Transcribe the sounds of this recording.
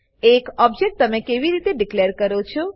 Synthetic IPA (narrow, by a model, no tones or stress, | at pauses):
ekɔb̚d͡ʒek̚ʈ̚t̪əmekeʋiɾit̪eɖikleəɾkəɾot͡ʃʰo